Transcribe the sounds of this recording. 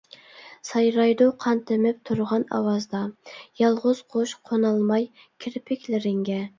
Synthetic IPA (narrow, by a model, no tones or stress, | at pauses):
sɑjɾɑjd̪uqʰɑnt̪ʰɪmɪp̚t̪ʰuɾʁɑnɑ̰wɑzd̪ɑjɑlˠʁʊz̥qʰoʃqʰonɑlˠmɑj | kʲʰɪɾpʰɪkʲlɪɾɪŋɡʲɛ